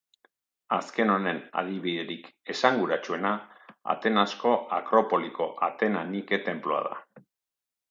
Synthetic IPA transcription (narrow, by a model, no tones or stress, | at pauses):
aske̞no̞ne̞na̰ð̞iβiðe̞ɾike̞saŋɡuɾat͡ʃue̞naa̰t̪e̞nasko̞akɾo̞po̞liko̞ʔat̪e̞nanike̞t̪e̞mploa̰ða̰